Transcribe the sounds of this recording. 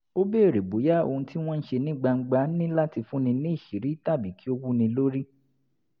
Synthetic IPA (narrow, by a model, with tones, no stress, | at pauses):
o˦be˦e˦˨ɾe˨bo˨˦ja˦o̰˧˨ũ˧ti˦w̃ɔ̃˦n̩˦ʃe˧nĩ˦ɡ͡ba˧ŋ̩˦ɡ͡ba˦nĩ˦la˦ti˧fũ˦nĩ˧nĩ˦i˦˨ʃi˨˦ɾi˨˦ta˦˨bi˨˦ki˦o˦wu˦nĩ˧lo˦ɾi˦